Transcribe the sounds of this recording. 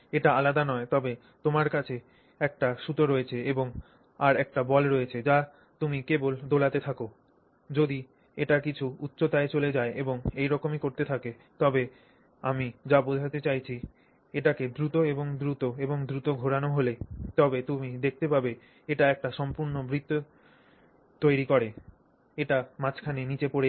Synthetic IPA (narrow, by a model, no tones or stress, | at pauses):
eʈaalad̪anɔet̪ɔbe | t̪omaɾkat͡ɕʰe | ɛk̚ʈaʃut̪oɾoet͡ɕʰeeboŋ | aɾɛk̚ʈabɔlɾoet͡ɕʰed͡ʑa | t̪umikebold̪olat̪et̪ʰako | d͡ʑod̪i | eʈakit͡ɕʰuut̪ːɕot̪aet͡ɕoled͡ʑaeʔeboŋejɾɔkomikoɾt̪et̪ʰake | t̪ɔbe | amid͡ʑabod͡ʑʱat̪et͡ɕajt͡ɕʰi | eʈaked̪ɾut̪oeboŋd̪ɾut̪oeboŋd̪ɾut̪oɡʱoɽanoɦolet̪ɔbet̪umid̪ek̚ʰt̪epabe | eʈaɛk̚ʈaʃɔmpuɾnobʱɾit̪ːo | t̪ojɾikɔɾe | eʈamãt͡ɕkʰanenit͡ɕepoɾe